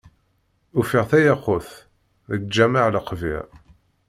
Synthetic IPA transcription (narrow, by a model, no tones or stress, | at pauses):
ufiʁθæjɑqːoθ | ðəɡ̚d͡ʒæmaʕləqvḭʁ